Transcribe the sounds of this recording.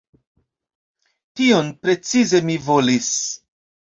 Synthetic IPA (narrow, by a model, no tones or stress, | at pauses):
tio̞npɾe̞t͡size̞mivo̞lis